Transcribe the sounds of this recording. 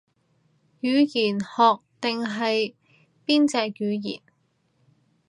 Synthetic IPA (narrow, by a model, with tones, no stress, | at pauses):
jyː˨˧˥jiː˨˩nhɔː˨k̚t̪ɪ˨ŋɦɐ˨j | piː˥nt͡sɛː˨˧kjyː˨˧jḭː˨˩n